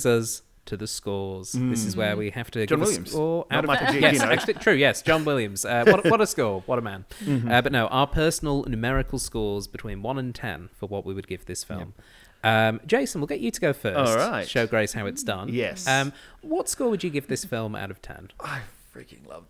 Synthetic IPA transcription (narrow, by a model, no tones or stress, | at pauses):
zʌz̥ | tʰɨðɨskɔɹz̥ðɪsɨzwə˞wihæftɨd͡ʒɑ̃nɪljɨ̰̃mz̥ɔɹaʊɾjɛæk̚t͡ʃl̩ˠitʰɹ̥ʉjɛsd̥ʒ̥ɑ̃nwɪlˠjɨ̃mz̥ʌwʌɾwʌɾəskɔɹwʌɾəmæ̰̃nʌbʌtⁿnoʊʔaə˞pʰɜ˞sn̩l̩ˠnʉmɛɹɨkl̩ˠskɔɹzbɨtʰw̥ĩnwʌ̃nə̃ntʰɛ̰̃nfə˞wʌʔwiwɨd̚ɡɪvðɪsfɪ̰lˠm | ʔʌ̃md͡ʒeɪsə̃n̩wɪlˠɡɛt͡ʃɨɾəɡoʊfɜˑ˞osɹaɪtʃoʊɡɹeɪshaʊɨtsd̥ʌ̰̃njɛsʌ̃mwʌtskɔːwɨd͡ʒɨɡɪvðɪsfɪlˠma̰ʊɾʌv̥tʰɛ̰̃naɪ | fɹɪ̰kɪ̰̃ŋlʌ̰v